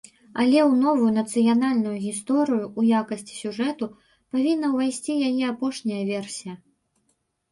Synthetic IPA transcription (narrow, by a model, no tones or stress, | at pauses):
ɐlʲɛwnɔvujunɐt̪sɨjanalʲnujuɣʲist̪ɔɾɨjuʔːjakɐsʲt͡sʲi̥sʲuʐɛt̪u | pavʲinːɐwvajsʲt͡sʲijajɛapɔʂnʲɐjɐvʲɛrsʲijɐ